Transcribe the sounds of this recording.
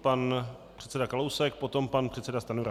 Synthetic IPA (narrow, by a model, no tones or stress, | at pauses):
pan | pr̥ɛt̪t͡sɛdakalowsɛk̚pot̪o̞mpanpr̥ɛt̪sɛdast̪anuɾa